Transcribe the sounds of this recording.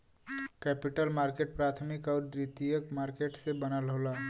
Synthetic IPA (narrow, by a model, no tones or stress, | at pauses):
kɛːpɪʈəlmaːɾkeːʈ̚pɾaːt̪ʰmɪkɔːɾd̪ɾit̪ijəkmaːɾkeʈsebənalɦolaː